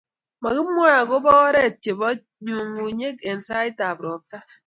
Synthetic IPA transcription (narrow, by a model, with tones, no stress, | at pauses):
ma˨ki˦mʷ˦a˦a˨ɡo˦bɔ˦ɣɔ˦ɾe˦˨tje˨bɔ˦ | ɲu˨ŋu˨ɲe˦ke˨n̩˨sa˦i˦ta˨bɾɔ˨ta˦